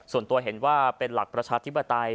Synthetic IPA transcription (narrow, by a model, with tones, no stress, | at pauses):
su˨˩ənt̪u˧ɐɦe˩˦nwaː˥˩pe˧nla˨˩k̚pɾa˧t͡ɕʰaː˧t̪ʰi˦˥pːa˧t̪a˧j